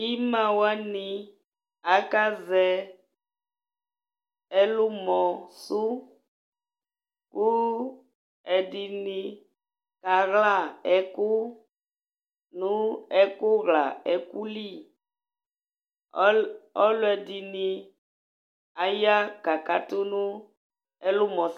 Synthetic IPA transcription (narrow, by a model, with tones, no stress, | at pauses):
i˦mã˨wa˦ni˨ | a˨˦ka˦zɛ˨ | ɛ˦lu˦mɔ˨su˦ | ku˦ | ɛ˨di˨ni˨ | ka˨ɣla˦˨ɛ˨kʊ˦ | nũ˦ɛ˦kʊ˦ɣla˨ɛ˨ku˦li˦˨˦ | ɔ˦lʊ˦ɛ˨di˨ni˨ | a˨ja˦ka˨ka˨˦tʊ˦nu˦ | ɛ˦lʊ˦mɔ̃˨